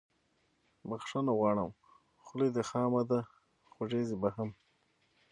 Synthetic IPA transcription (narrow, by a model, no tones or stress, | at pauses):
baxʂanaɣwɑɳam | xʊled̪əxɑːmad̪a | xaʐezibaɦam